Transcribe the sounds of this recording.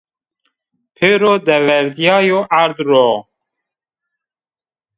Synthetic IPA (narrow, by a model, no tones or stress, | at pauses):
pʰeɾod̪ɛvɛɾd̪ijɑːjoʔaɾd̪ɾo